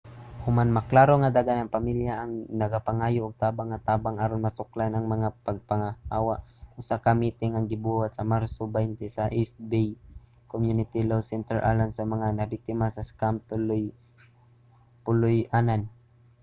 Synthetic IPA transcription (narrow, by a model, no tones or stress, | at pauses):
hʊmanmaklaːɾoŋad̪aɡanɐŋpamiljaʔːŋnɐɡapaŋaːjʊʔːɡ̚t̪aːbaŋːat̪aːbaŋaɾonmasʊklanaŋmɐŋapaɡ̚paŋahaːwaʔʔʊsakamiːt̪ɪŋaŋɡɪbuhat̪̚sɐmaɾsobajnt̪ɛsaʔɛst̪̚bɛj | komjʊnɪt̪ilowsɛnt̪ɛɹʔa̰lansɐmɐŋanɐbɪk̚t̪ɪmasɐskamt̪ʊlj | pʊlʊjʔanan